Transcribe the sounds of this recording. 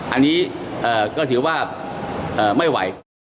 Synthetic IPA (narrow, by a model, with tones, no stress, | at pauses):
ʔa˧nːiː˦˥ʔɤː˨˩kɔː˥˩t̪ʰɯː˩˦waː˥˩ʔɤː˨˩ma˥˩jwa̰˩˦j